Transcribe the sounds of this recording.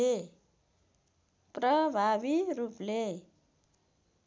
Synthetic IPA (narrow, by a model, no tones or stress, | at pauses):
e | prʌbʱabiɾuple